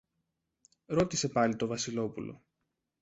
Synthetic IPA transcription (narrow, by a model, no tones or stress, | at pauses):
ɾo̞t̪ise̞pɐlit̪o̞vɐsilo̞pulo̞̰